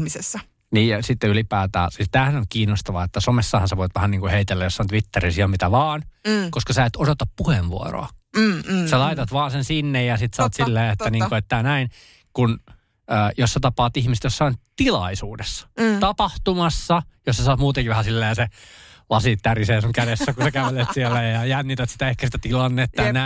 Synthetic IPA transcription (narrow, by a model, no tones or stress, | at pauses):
isesːæ | niːjjɑsit̪ːeylipæːt̪æ̰ːsist̪æːhænoŋkiːnːost̪ɑʋɑ̰et̪ːæsomesːɑhɑnseʋoit̪ʋæhæniːŋkuheit̪elːæjosːɑont̪ʋit̪ːerisiɑmit̪æʋɑːnkoskɑsæet̪odot̪ɑppuheʋʋṵo̰ro̰ɑ | sɑlɑit̪ɑt̪ʋɑːnsensinːejjɑsit̪sɑːt̪silːeːet̪ːæniːŋŋkoet̪ːæːnæin | kun | øjosːet̪ɑpɑːt̪ihmiset̪josɑont̪ilɑisuːdesːɑ̥t̪ɑpɑht̪umɑsːɑjossɑsɑːt̪muːt̪eŋkiʋæhæsilːeːselɑsit̪ːæriseːsuŋkædesːækusekæʋelet̪sielːæjjɑjænːit̪æt̪si̥t̪æehkæsit̪æt̪ilɑnːet̪ːɑnæ